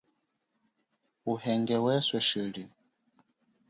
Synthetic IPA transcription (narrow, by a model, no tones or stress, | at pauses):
uhɛŋɡɛwɛswɛʃili